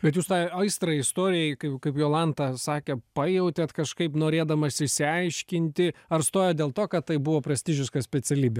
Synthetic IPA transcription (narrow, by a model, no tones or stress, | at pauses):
bʲɛt̪juːst̪ɑɪɐɪst̪ɾɐɪst̪oːɾʲɪjɛɪkɐɪpkɐɪpjoːlˠɐnt̪ɐsɑːkʲɛpɐjɛʊt̪ʲɛt̪kɐʃkɐɪpnoːɾʲeːd̪ɐmɐsʲɪsʲɪɐɪʃʲkʲɪnʲt̪ʲɪɐrst̪oːjɛːdʲeːlˠt̪oːkɐt̪tɐɪbʊʋoːpɾʲɐsʲt̪ʲɪʒʲɪskɐsʲpʲɛsʲɛlʲiːbʲɛ